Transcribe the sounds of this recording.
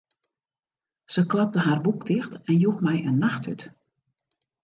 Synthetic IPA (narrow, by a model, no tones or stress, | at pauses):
z̥əklɑp̚təɦaːrbukdɪxtɛnjuxmɛjənːaxtyt